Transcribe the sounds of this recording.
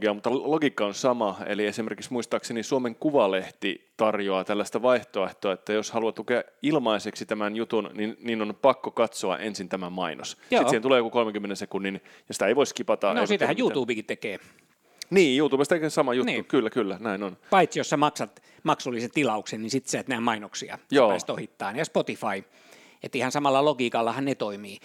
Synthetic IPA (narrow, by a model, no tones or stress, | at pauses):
ɡiɑmut̪ːɑloɡikːɑonsɑmɑḛliesimerkiksmuist̪ɑːksenisuomeŋkuʋɑleht̪ḭt̪ɑrjoɑt̪ælːæst̪æʋɑiht̪oeht̪oɑet̪ːæjoshɑluɑt̪ukeɑilmɑiseksit̪æmænjut̪unninniːnonpɑkːokɑt̪soɑ̰ʔensint̪æmæmɑinʔo̰sjoisːent̪uleːjokukolmeŋkymːenensekunːin | jɑsi̥t̪æeiʋoiskipɑt̪ɑnosit̪hæjuːt̪uːbikit̪tekeː | niːjuːt̪uːbest̪ekesɑmɑjuniːkylːækylːænæinonpɑit̪sijossɑmɑksɑt̪ | mɑksulːiset̪ilɑuksennisit̪siæt̪næimɑinoksiɑ̰joːist̪ohit̪ːɑːnjɑspot̪ifɑi | ḛt̪ːihɑnsɑmɑlːɑloɡiːkɑlːɑhɑnnet̪oimiː